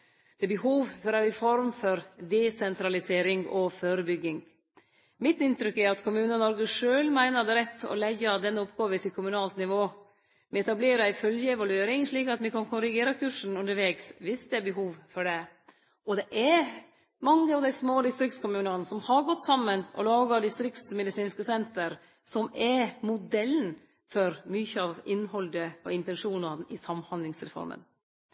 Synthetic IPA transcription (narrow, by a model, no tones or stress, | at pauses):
d̪̥ɛbəhuːʋfɔɾæɾɪfɔɾmfɔɾd̪ɛsɛnt̪ɾɑlɪseːɾɪŋɔføːɾəbʏɡːɪŋ | mɪt̪ːɪnt̪ɾʏkːæɾɑt̪kʰʊmʉːnənnɔɾɡəʂøːlmæɪnəd̪ɛɾɛt̪ʰːɔ̰læɑd̪ɛnːəɔpɡɑːʋət̪ʰɪlkʰʊmʉnɑːlt̪nɪʋoː | mɛɛt̪ɑbleːɾəæɪfœljəɛʋɑlʉeːɾɪŋʂɭiːkɑt̪mɪkɑnkʰʊɾɪɡeːɾɑkʰʉːʂn̩ʉnd̪əɾʋeːɡsʋɪsd̪ɛæɾbəɦuːʋfɔɖɛ | ɔd̪ɛʔɛɾ | mɑŋːəɑʋd̪æɪsmoːd̪ɪst̪ɾɪk̚t̪skʊmʉːnɑnəsɔmhɑɾɡɔt̪ːsɑmːənʔɔ̰lɑːɡɑd̪ɪst̪ɾɪkt̪smɛd̪ɪsiːnskəsɛnt̪əɾ | sɔmɛmʊd̪ɛlːn̩ | fɔɾmyçəɑʋɪnːhɔld̪əɔ̰ɪnt̪ɛnʂuːnɑnɪsɑmːhɑnd̪lɪŋsɾɛfɔ̰ɾmə̰n